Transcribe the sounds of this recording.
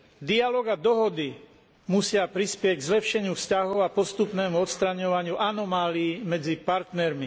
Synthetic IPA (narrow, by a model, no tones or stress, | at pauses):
d̪ialɔːɡad̪ɔɦɔd̪i | musɪapɾispɪɛcɡzlɛpʃɛɲɪufscaɦɔʊapɔst̪upnɛːmuɔt̪st̪ɾaɲɔʋaɲɪuʔanɔmaːliːmɛd͡zipaɾt̪nɛɾmi